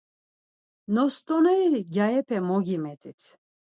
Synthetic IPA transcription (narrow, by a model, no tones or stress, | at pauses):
nɔst̪ɔnɛiɡʲaɛpʰɛmɔɡimɛt̪ʰʼit̪ʰ